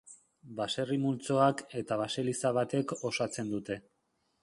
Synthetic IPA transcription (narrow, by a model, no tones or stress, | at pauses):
base̞rimult͡so̞ake̞t̪aβ̞ase̞lisaβat̪e̞ko̞sat͡se̞nd̪ut̪e̞